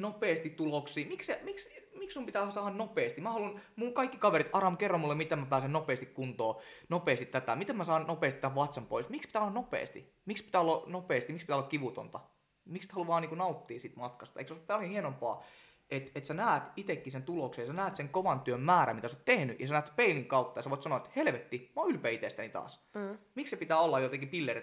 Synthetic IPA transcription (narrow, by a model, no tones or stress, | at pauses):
nopeːst̪it̪t̪ːuloksiːmiksemiksmikssumpit̪æsɑːɑnnopeːst̪imæhɑlunmuŋkɑikːikɑʋeɾit̪ʔɑrɑmkerːomulːemit̪emmæpæːsennopeːst̪ikkunt̪oːnopeːst̪it̪æt̪æmit̪emmæsɑːnnopeːst̪it̪ːæʋʋɑt̪sempo̰ismikspit̪æːolːɑnopḛːst̪ḭ | mikspit̪æːolːɑnopeːst̪imikspit̪æolːɑkiʋut̪o̰nt̪ɑ | mikst̪hɑluʋɑːniːkunɑut̪ːiːsit̪mɑt̪kɑst̪ɑeiksooljohienompɑ̰ː | et̪et̪sænæːt̪it̪ekːisent̪uloksejɑsænæːt̪seŋkoʋɑnt̪yømmæːɾæ̰mit̪æsot̪t̪ehnyjɑ̰sænæːt̪speiliŋkɑut̪ːɑjɑseʋoˑit̪sɑnoɑet̪helʋet̪ːimoylpeːit̪est̪ænit̪ɑ̰ːsmikssepit̪æːolːɑjot̪ekipilːeri